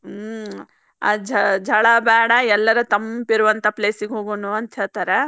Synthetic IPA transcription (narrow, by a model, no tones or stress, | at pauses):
ad͡ʒɐd͡ʒʱɐɭɐbɛːɽɐɛlːɐɾɐt̪ɐmpiɾuʋɐnt̪ʰɐpleːsiɡeɦoːɡoːnuɐnt̪ʰjaːt̪ɐɾe